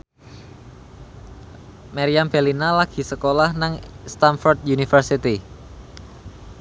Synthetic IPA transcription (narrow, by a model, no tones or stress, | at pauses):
maɾiamb̥elinalaɡ̥i̤səkolahnaŋst̪anfɔrd̪̚junifərsit̪i